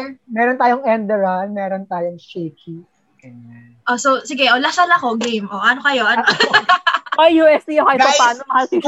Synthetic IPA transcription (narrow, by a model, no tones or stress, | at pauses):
mɛːɾont̪aːjoŋɛnd̪ɛɹɐnmɛːɾont̪aːjoŋʃeːki | kɐ | ʔososɪɡɛʔolɐsɐlɐko̞ɡemʔoʔɐnokɐjo̞ʔɐno | ɐjːuːʔɛst̪ijokɐjpɐpaːnomɐhalsi